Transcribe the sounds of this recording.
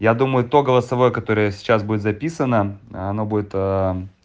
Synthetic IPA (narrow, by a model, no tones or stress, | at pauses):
jad̪uməjʊt̪o̞ɡəlˠəsɐvo̞jəkɐt̪o̞ɾəjəsʲɪ̥t͡ɕːasbudʲɪt̪zɐpʲisənəɐno̞budʲɪt̪ə